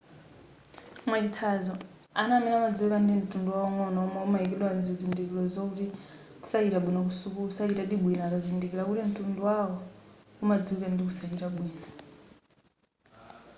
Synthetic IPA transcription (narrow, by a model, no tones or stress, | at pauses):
mwaɗitʰazɔ | anamɛnamad͡zuukandim̩tʼunduwawɔmwɔnaɔmaumaik̬iɗwand͡zid͡zindikilɔzɔkuti | u̥sakiɾaɓwinak̬usukusakitaɗiɓwinaːkazindikilakutim̩tunduwawɔumad͡zuukandikusakitaɓwiːna